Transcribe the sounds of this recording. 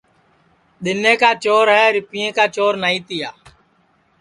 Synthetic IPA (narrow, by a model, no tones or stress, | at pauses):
ɗ̪ɪnẽːkaːt͡ʃoːɾɦɛːɾɪpɪjẽːkaːt͡ʃoːɾnaːĩːt̪ɪjaː